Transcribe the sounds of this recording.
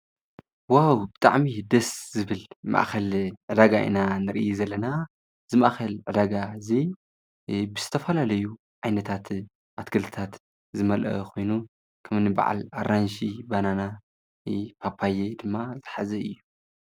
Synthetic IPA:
wawbɨt̪ʼaʕmid̪ɐszɨβɨlma̰ʔxɐlʕɨd̪aɡaʔɨ̰nanɨɾʔɨjzɐlːɐna | zɨmaʔxɐlʕɨd̪aɡazi | bɨz̥ɨt̪ʰɐfɐlalɐju | ʕajnɐt̪ʰat̪ | ʔat̪kʰɐlt̪ʰɨ̥t̪ʰat̪ | zɨmɐlʔɐ̰kʰo̞jnu | kʰɐmnɨba̰ʕa̰laɾanʃibanana | pʰapʰajed̪ɨmːazɨħazɐɨjːu

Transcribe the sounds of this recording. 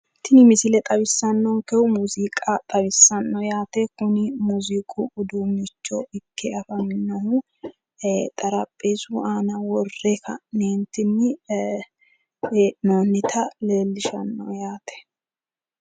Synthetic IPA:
t̪ːɪnɪmɪsɪlɛt̪ʼɐbɪsːɐnːɔŋkɛʊmuːziːkʼɐt̪ʼɐβɪsːɐnːɔjaːt̪ɛkʊnɪmuzikʼʊʊd̪uːmɪt͡ʃːɔɪkʰːɛɐfɐmɪnːɔhʊ | t̪ʼɐɾɐpʼːeːsʊaːnɐwɔrːekʰɐ̰neːnt̪ɪnːɪ | noːnːɪt̪ʰɐle̞ːlːɪʃɐnːɔ̰jaːt̪ɛ̥

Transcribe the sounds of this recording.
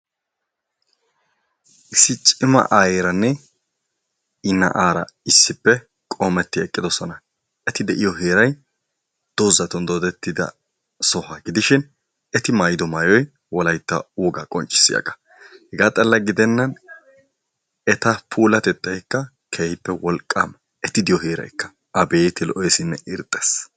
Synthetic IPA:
ʔɪsːɪt͡ʃʼɪmɐ̰ʔajeɾɐnːɛ | ɪnːɐ̰ʔaːɾɐ̰ɪsːɪpːɛ | kʼoːmɛt̪ːɪɛkʼːɪd̪ɔsɔnɐ | ɛt̪ɪd̪ɛʔɪjɔɦeːɾɐj | d̪̥oːzɐt̪ɔnd̪oːd̪ɛt̪ːɪd̪ɐ̰ | sɔhɐɡɪd̪ɪʃɪn | ɛt̪ɪmɐjd̪ɔmɐjɔj | wɔlɐjt̪ːɐ̰uːɡɐkʼɔnt͡ʃʼːɪ̥sːɪ̰jɐ̰ɡɐ̥ | hɛɡaːt̪ʼɐlːɐɡɪd̪ɛnːɐn | ɛt̪ɐpʰuːlɐt̪ɛt̪ʼːɐjkːɐ | kʰeːhɪpːɛwɔlkʼːɐm | ɛt̪ɪd̪ɪjɔɦeːɾɐ̰jkːɐ̥ | ɐbeːjt̪ɪlɔʔɔjsɪnːɛʔɪɾt̪ʼːes

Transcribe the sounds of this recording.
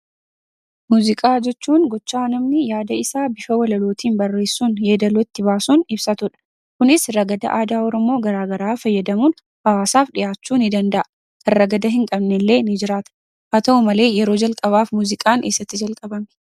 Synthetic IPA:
muːzɪkʼaːd͡ʒɛt͡ʃːuːnɡɔt͡ʃːaːnɐmnɪjaːd̪ɐɪsaːbɪfɐwɐlɐlo̞ːt̪ʰiːnbɐrːe̞ːsːuːnjeːd̪ɐlot̪ːɪbaːsuːnɪbsɐt̪ʊᶑɐ̥ | kʊnɪsrɐɡɐd̪ɐ̰ʔaːd̪aːɔɾɔmo̞ːɡɐɾaːɡɐɾaːfɐjːɐd̪ɐmuːn | hɐwaːsaːfᶑɪjaːt͡ʃːuːnɪd̪ɐnd̪ɐʔɐ | kɐrːɐɡɐd̪ɐɦɪŋkʼɐbnɛlːe̞ːnɪd͡ʒɪɾaːt̪ɐ̥ | ʔɐt̪ɐɔmɐle̞ːjɛɾo̞ːd͡ʒɐlkʼɐβaːfmuːzɪkʼaːnʔeːsːɐt̪ːɪd͡ʒɐlkʼɐbɐm

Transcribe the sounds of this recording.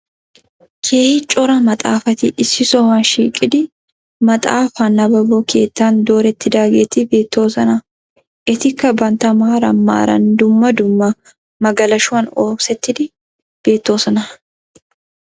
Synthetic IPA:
kʰeːhɪt͡ʃʼɔɾɐmɐt̪ʼaːfɐt̪ɪʔɪsːɪsɔhɐnʃiːkʼːɪd̪ɪ | mɐt̪ʼaːfanːɐbɐbokʰe̞ːt̪ːaːnd̪o̞ːɾɛt̪ːɪd̪aːɡet̪ɪbe̞ːt̪ːo̞ːsɐnɐ | ʔɪt̪ɪkːɐbɐnt̪ɐmaːɾɐmːa̰ːɾɐ̰nd̪ʊmːɐd̪ʊmːɐ | mɐɡɐlɐʃʊɐnoːsɛt̪ːɪd̪ɪ | b̥e̞ːt̪ːo̞ːsɐnɐ

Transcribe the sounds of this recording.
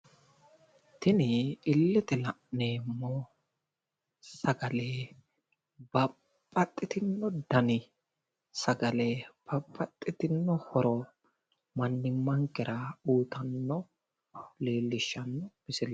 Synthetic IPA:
t̪ɪnɪɪlːɛt̪ɪlɐʔneːmːɔ | sɐɡɐleː | b̥ɐ | pʼːɐt̪ʼːɪt̪ɪnːɔd̪ɐnɪ | sɐɡɐleːb̥ɐpʼːɐt̪ʼːɪt̪ɪnːɔhɔɾɔ | mɐnːɪmːɐŋkɪɾɐuːt̪ɐnːɔ | leːlːɪʃːɐnːɔb̥ɪsɪlɐ

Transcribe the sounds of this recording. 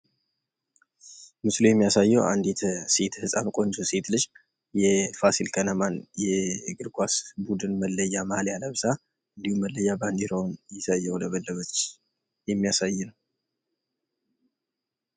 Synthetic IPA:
mɨslojɛmːijasajːɛwʔa̰nd̪et̪ʰəse̞t̪ʰhɨsʼamkʼo̞nt͡ʃʰose̞t̪lɨʃ | jɛfasilkʰənəmanjɛɡɨɾɡʰʷasbud̪ɨnməlːəjːamahljaləβsa | ɨnd̪ihumːəlːəjːaband̪iɾownjɪsajːɛwləβəlːəβət̪t͡ʃ | jɛmːijasajːɪnəw

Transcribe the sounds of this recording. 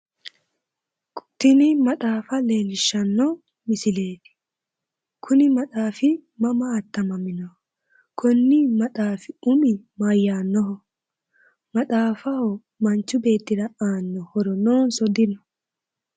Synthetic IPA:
kʼʊ̥t̪ːɪnɪmɐtaːfɐle̞ːlɪʃːɐnːɔ | mɪsɪle̞ːt̪ɪ̥ | kʰʊnɪmɐtaːfɪmɐmɐːt̪ːɐmɐmɪnɔhɔ | kʰɔnːimɐtaːfɪʊmɪ | mɐjːaːnːɔɦɔ | mɐɗaːfɐhɔ | mɐnt͡ʃːʊbe̞ːt̪ːɪd̪ɐaːnːɔhɔɾɔnoːnsɔd̪ɪnɔ

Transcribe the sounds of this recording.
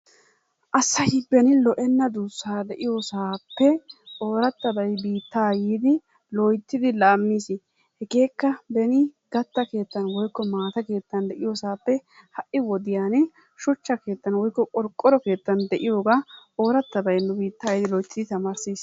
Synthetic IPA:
ʔɐsːɐhɪbːɛnɪlɔʔɛnːɐd̪uːsːaːd̪ɛʔɪjosaːpːɛʔoːɾɐt̪ːɐbɐjbiːt̪ːaːjiːd̪ɪ | lɔjt̪ːɪd̪ɪlaːmːiːs | hɛɡe̞ːkːɐbɛnɪɡɐt̪ːɐke̞ːt̪ːɐnwɔjkːɔmaːt̪ɐke̞ːt̪ːɐnd̪ɛʔɪjosaːpːɛ | hɐʔɪwɔd̪ɪjaːnɪ | ʃʊt͡ʃːɐke̞ːt̪ːɐnwɔjkːɔkʼɔɾkʼːɔɾɔke̞ːt̪ːɐnd̪ɛʔɪjo̞ːɡaːo̞ːɾɐt̪ːɐbɐjnːʊbiːt̪ːaːjɪːd̪ɪlɔjt̪ːɪd̪ɪt̪ɐmaːɾsiːs

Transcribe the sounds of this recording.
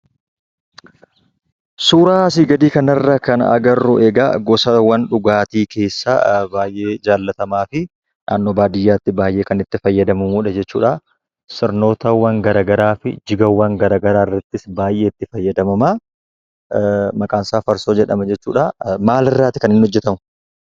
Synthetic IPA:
suːɾaːs̬ɪɡɐd̪iːkɐnɐrːɐkɐnɐ̰ɡɐrːʊʔɛɡɐ̰ɡɔsɐwɐnᶑʊɡaːt̪iːkʰe̞ːsːa̰ːbaːjʔe̞ːd͡ʒaːlːɐt̪ɐmaːfɪ | nʔa̰ːnːoːbaːd̪ɪjːaːt̪ːɪbaːjʔe̞ːkɐnɪt̪ːɪfɐjːɐd̪ɐmɐmuːᶑɐd͡ʒɛt͡ʃːṵːᶑɐ | sɪɾno̞ːt̪ɐwːɐŋɡɐɾaːɡɐɾaːfɪ̰d͡ʒɪɡɐwːɐŋɡɐɾaːɡɐɾaːɪrːɐt̪ːɪsbaːjʔeːɪt̪ːɪfɐjːɐd̪ɐmɐmaː | mɐkʼaːnsaːfɐɾso̞ːd͡ʒɛᶑɐ̰mɐd͡ʒɛt͡ʃːuːᶑamaːlɪrːaːt̪ːɪkɐnɪnːhɔd͡ʒːɛt̪ɐmʊ̥

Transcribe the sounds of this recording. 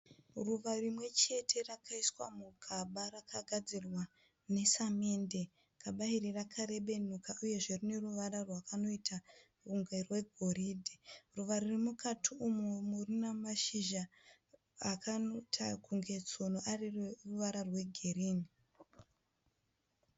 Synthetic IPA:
ruʋarimwe̞t͡ʃe̞tʰe̞rakaiswa̰muɡʱaɓarakaɡʱad͡zirwa | ne̞same̞nde | kaɓairirakʰaɾe̞ɓe̞nukauje̞ʐe̞rine̞ruʋaɾarwakano̞itʰa | ruŋɡerwe̞ɡʱo̞riːdʱiruʋaɾirimukʰatʰiumumurinamaʃiʒaː | kanotʰa̰kʰuŋɡe̞t͡so̞noʔarirruʋaɾarwe̞ɡʱe̞riːni

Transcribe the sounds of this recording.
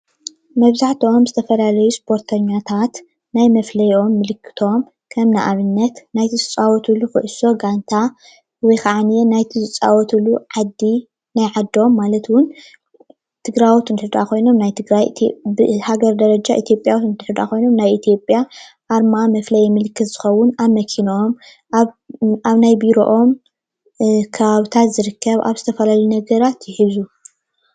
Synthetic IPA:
mɐβzaħt̪ʰio̞mzɨt̪ʰɐfɐlalɐjuspʰo̞ɾt̪ʰɐɲːat̪ʰat̪ | najmɐflɐjo̞mːɨlɨkʰːɨ̥t̪ʰo̞m | kʰɐmna̰ʔaβɨnːɐt̪najt̪ʰizɨt͡sʼawɔt̪ʰulukɐ̰ʔso̞ɡant̪ʰa | wɔjkʰaʕanijenajt̪ʰizɨt͡sʼa̰wɔt̪ʰuluʕad̪ːi | najʕad̪ːo̞mːalɐt̪wʊn | t̪ʰɨɡɾajwut̪ɨnt̪ɨɨd̪ʔakʰo̞jno̞mnajt̪ʰɨɡɾaj̰t̪ʰbɨhaɡɐɾd̪ɐɾɐd͡ʒaʔit̪ʰijo̞pʼjawt̪ɨnt̪ɨħɨd̪a̰kʰo̞jno̞mnajit̪ʰjo̞pʼja | ʔːɾmamɐflɐjɛmɨlkʰɨt̪z̥ɨxɐwːʊnamɐkʰinom | ʔaβnajbiɾo̞̰ʔom | kʰɐβaβt̪ʰat̪zɨɾɨkʰːɐβa̰βzɨt̪ʰɐfɐlaljunɐɡɐɾat̪jɪħizu

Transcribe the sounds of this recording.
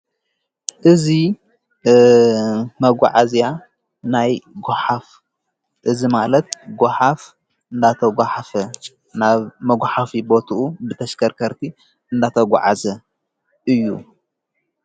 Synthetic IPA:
ʔɨzi | mɐɡʷaʕazja | najɡoħaf | ʔɨzimalɐt̪̚ɡʷoħaf | ɨnd̪at̪ʰɐɡʷaħafɐ | naβmɐɡʷħafibo̞t̪ʰuubɨt̪ʰɐʃkʰɐɾkʰɐɾt̪ʰi | ɨnd̪at̪ʰɐɡʷa̰ʕa̰zɐ | ʔɨjːṵ

